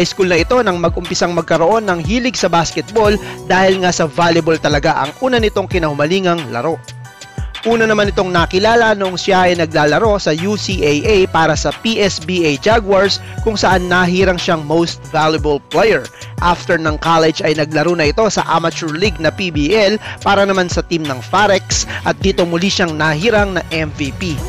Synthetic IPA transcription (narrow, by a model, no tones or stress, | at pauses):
ɐjskulnɐɪt̪o̞nɐŋmɐɡ̚ʔʊmpɪsaŋmɐɡ̚kɐɾo̞ʔo̞nːɐŋhiːlɪɡsɐbaskɛt̪̚bo̞ld̪aːhɪlŋasɐvaːljɪbolt̪ɐlɐɡaʔɐ̰ŋʔuːnɐnɪt̪o̞ŋkɪnɐhʊmɐliːŋɐŋlɐ̰ɾo̞ | ʔuːnɐnɐmanɪt̪o̞ŋnɐkɪlaːlɐnoʔoŋsjaʔɐjnɐɡlaːlɐɾo̞sɐjusiʔejʔejpaːɾɐsɐpiːʔɛsbiːʔejd͡ʒaɡwaɹs | kʊŋsɐʔanːɐɦiːɾɐŋʃaŋmowst̪̚valjɐbɐlplɛjɛɹ | ʔaft̪ɛɹnɐŋkalɛd͡ʒɐjnɐɡ̚lɐɾonɐʔɪt̪o̞sɐ̰ʔamɐt͡ʃuɹliɡ̚nɐpibiʔɛlpaːɾɐnɐmansɐt̪imnɐŋfaɾɛksʔɐt̪̚d̪iːt̪omʊliʃaŋnɐɦiːɾaŋnɐʔɛmvipi